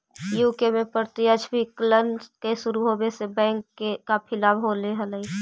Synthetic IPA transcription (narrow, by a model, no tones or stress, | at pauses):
juːkemẽpəɾt̪iəd͡ʒbʱiklənkeʃʊɾuɦobesebɛ̃ːŋkːekapʰɪlaːbɦoːleɦələi